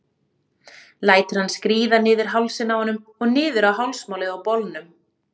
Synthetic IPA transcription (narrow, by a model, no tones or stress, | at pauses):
laːjt̪ɪɾ̥hanːskɾiːðanɪːðɪɾ̥ɦawlsɪnːahɔnːʏmɔɣnɪːðɪɾawɦawlsmaːwlɪawpɔlnʏm